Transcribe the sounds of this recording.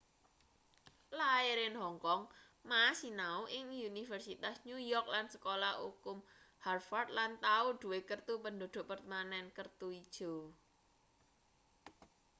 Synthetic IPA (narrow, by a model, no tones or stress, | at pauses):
laeɾɪnɦɔŋkɔŋ | masinauʔɪŋunifərsit̪asɲujɔrk̚lansə̥kolaukʊm | harfard̪̚lant̪auɖ̪̥ṳwekərt̪upəndo̤ɖ̪̥o̤ʔpərt̪manɛnkərt̪uid̥ʒ̥o̤